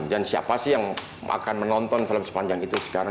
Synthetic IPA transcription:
ŋdansia̰pasɪhjaŋ | a̰kanmənɔnt̪ɔnfiləmsə̥paɲd͡ʒaŋit̪usə̥kaɾa

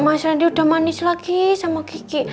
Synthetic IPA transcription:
masɾandiud̪̥a̤manɪslaɡisamakiki

